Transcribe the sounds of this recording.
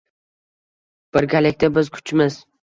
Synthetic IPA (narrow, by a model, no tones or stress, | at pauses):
b̥ɪɾɡʲalɪk̚ʲt̪abɪzkʰʊ̥t͡ʃmɪz